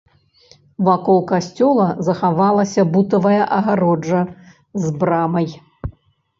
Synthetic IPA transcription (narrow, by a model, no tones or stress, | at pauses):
vakɔlˠkasʲt͡sʲɔlˠɐzɐxavalˠɐsʲɐbut̪ɐvɐjɐʔɐɣaɾɔd͡ʐɐ | zbɾamɐj